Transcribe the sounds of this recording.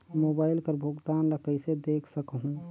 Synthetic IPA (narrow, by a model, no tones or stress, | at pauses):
moːbaːɪlkəɾbʱoɡt̪aːnləkəɪsed̪eːkʰsəkɦũ